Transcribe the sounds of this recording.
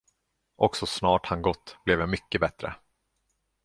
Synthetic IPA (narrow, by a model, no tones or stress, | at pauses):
ʔɔksɔsnɑːʈhanɡɔt̪ːb̥lɛvjamʏkːəbɛt̪ɾə̰